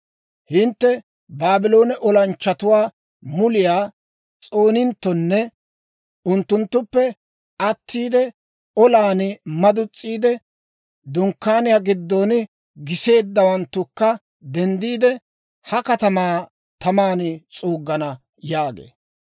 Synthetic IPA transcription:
hɪnt̪ːɛ | baːbɪlo̞ːnɛʔɔlɐnt͡ʃːɐt̪ʊwaː | mʊlɪjaː | t͡sʼo̞ːnɪnt̪ːɔnːɛ | ʊnt̪ːʊnt̪ːʊpːɛ | ʔɐt̪ʰːiːd̪ɛ | ɔlaːnɪmɐd̪ʊt͡sʼːiːd̪ɛ | d̪ʊŋkːaːnɪjaɡɪd̪ːonɪ | ɡɪse̞ːd̪ːɐwɐnt̪ːʊkːɐ | d̪ɛnd̪iːd̪ɛ | hɐkɐt̪ɐmaː | t̪ɐmaːnt͡sʼuːɡːɐnɐ | jaːɡḛː

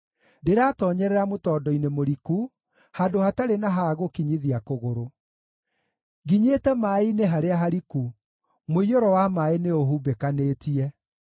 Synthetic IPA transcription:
deɾaːtɔːɲɛɾɛɾamotɔːdɔinemoɾiku | haːndohataɾenaɦaɣokiɲiðiakoɣoɾo | ɡiɲetɛmaineɦaɾeaɦaɾiku | moioɾɔwamaeneoɦubekaneːtiɛ

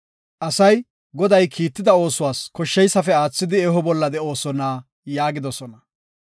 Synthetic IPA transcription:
ʔɐsɐj | ɡɔd̪ɐjkʰiːt̪ːɪd̪ɐo̞ːsʊwaːskɔʃːɛjsɐfɛaːt͡sːɪd̪ɪɛɦɔbɔlːɐd̪ɛo̞ːsɔnaː | jaːɡɪd̪ɔsɔnɐ

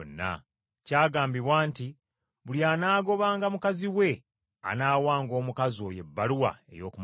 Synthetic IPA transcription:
nːa̰ | caːɡaːmbiβwaːnti | βuljaːnaːɡo̞βaːŋɡamukaziwe̞ | a̰naːwaːŋɡo̞ːmukazo̞ːje̞bːaluwa̰e̞̰jo̞ːkum

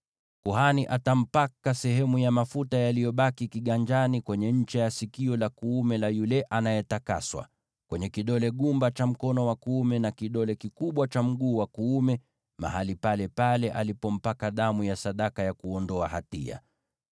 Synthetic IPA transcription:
kuhaniʔatam̩pakasɛɦɛmujamafutajalijɔɓakikiɠaɲd͡ʒanikwɛɲɛɲ̩t͡ʃɛjasikiɔlakuumɛlajulɛʔanajɛtaka̰swa̰ | kwɛɲɛkiɗɔlɛɠumbat͡ʃam̩kɔnɔwakuumɛnakiɗɔlɛkikuɓwat͡ʃam̩ɠuːwakuːmɛ | ma̰ɦalipalɛpalɛʔalipɔm̩pakaðamujasaɗakajakuɔndɔaha̰tḭa̰

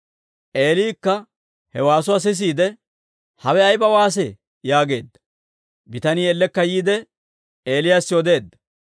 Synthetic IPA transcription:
ʔe̞ːliːkːɐ | hɛwaːs̬ʊwaːs̬ɪs̬iːd̪ɛ | hɐwɛɐjbɐwaːs̬ɛ | jaːɡe̞ːd̪ːɐ̥ | bɪt̪ɐniːɛlːɛkːɐjiːd̪ɛ | e̞ːlɪjaːsːɪɔd̪e̞ːd̪ːɐ̥

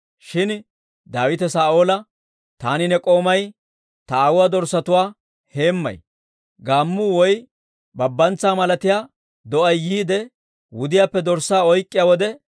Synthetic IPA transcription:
ʃɪn | d̪aːwɪt̪ɛsaːoːlɐ | t̪aːnɪnɛkʼo̞ːmɐj | t̪ɐːwʊwaːd̪ɔɾsɐt̪ʊwaː | he̞ːmːɐ̰j | ɡaːmːʊwɔj | bɐbːɐnt͡sːaːmɐlɐt̪ɪjaː | d̪ɔʔɐjːiːd̪ɛ | wʊd̪ɪjaːpːɛd̪ɔɾsaːɔjkʼːɪjaːwɔd̪ɛ

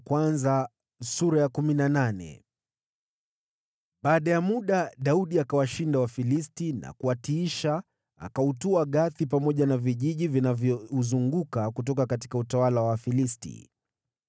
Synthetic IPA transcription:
kwanza | suɾajakuminananɛ̰ | ɓaːɗajamuɗaɗauɗiakawaʃindawafilistina̰kuwatiiʃa | a̰kautuaɠaθipamɔʄanaviʄiʄivinavjɔuzuŋɡukakutɔkakat̬i̥kautawalawafilistḭ

